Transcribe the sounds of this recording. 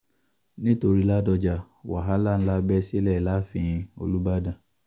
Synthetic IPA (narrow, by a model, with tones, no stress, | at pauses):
nĩ˦to˧ɾi˦la˦dɔ˧d͡ʒa˧ | wa˨ɦa˦la˦˨n̩˦la˦bɛ˦si˦lɛ˦˨la˦fĩ˧ĩ˧o̰˧lu˦ba˦dã˨